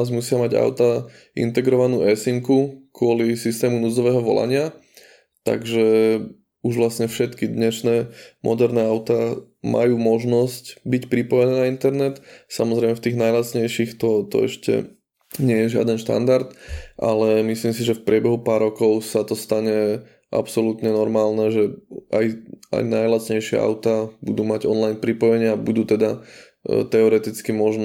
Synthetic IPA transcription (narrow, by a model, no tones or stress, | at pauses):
zmusɪamaɟa̰ʊt̪a | ḭnt̪ɛɡɾɔʋanuːʔɛsiŋkukʊɔlisist̪ɛːmunuzɔʋɛːɦɔʋɔ̰la̰ɲɪa | t̪a̰ɡʒɛ | uʒʋlasɲɛfʃɛt̪kid̪ɲɛʃnɛːmʔɔd̪ɛɾnɛːaʊt̪amʔa̰juːmɔʒnɔscbicpɾipɔjɛnɛːnaint̪ɛɾnɛt̪samɔzɾɛɪmɛft̪iːɣnajlasɲɛjʃixt̪ɔt̪ɔ̰ɛ̰ʃcɛ̰ | ɲɪɛjɛʒɪa̰d̪ɛnʃt̪a̰nd̪aɾt̪ʔa̰lɛmisliːmsiʒɛfpɾɪɛbɛɦupaːɾːɔkɔʊsat̪ɔst̪aɲɛ | ʔa̰psɔlut̪ɲɛnɔɾmaːlnɛːʒɛʔa̰jʔa̰jnajlat͡sɲɛjʃɪɛ̰ʔa̰ʊt̪abud̪uːmaɟɔnlajnpɾipɔjɛɲɪabud̪uːt̪ɛd̪a | t̪ɛɔɾɛt̪it͡skimɔʒn